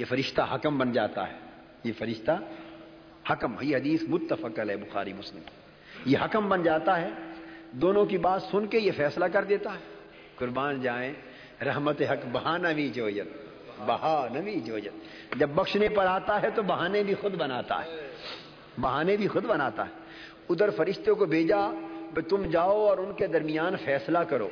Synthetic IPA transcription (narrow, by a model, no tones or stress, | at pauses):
jefɐɾɪʃt̪aɦɐkəmbɐnd͡ʒaːt̪a̰ɦɛː | jefɐɾɪʃt̪a | hɐkəmɦjiɦɐd̪iːsmʊt̪ːəfəkəlɦɛbʊxa̰ːɾimʊslɪmk | jeɦɐkəmbɐnd͡ʒaːt̪aɦɛːd̪oːnõk̬ibaːt̪sʊnkejefɛːslakɐɾd̪eːt̪aɦɛː | kʊɾbaːnd͡ʒaːẽ | ɾɐɦmət̪eɦɐkbɐɦanaʋid͡ʒoːd͡ʒən | bɐɦanɐʋid͡ʒoːd͡ʒən | d͡ʒɐbːɐkʃnepɐɾaːt̪aɦɛt̪obɐɦaːnebʱixʊd̪bɐnaːt̪a̰ɦɛː | bɐɦaːnebʱixʊd̪bɐnaːt̪a̰ɦɛː | ʊd̪əɾfɐɾɪʃt̪ẽkobʱeːd͡ʒabet̪ʊmd͡ʒaːoɔːɾʊnked̪ɐɾmɪjaːnfɛːslakɐɾo̰ː